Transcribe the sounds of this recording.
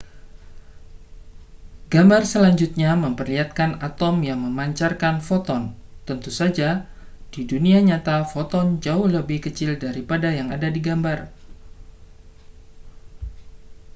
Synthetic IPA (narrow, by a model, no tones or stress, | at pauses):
ɡambarsəlaɲd͡ʒut̪̚ɲaməmpərliat̪̚kanat̪ɔmjaŋməmaɲt͡ʃarkanfɔt̪ɔnt̪ənt̪usad͡ʒa | d̥iduniaɲat̪afot̪ɔnd͡ʒaʊhləbɪhkət͡ʃɪldaɾipadajaŋadadiɡambar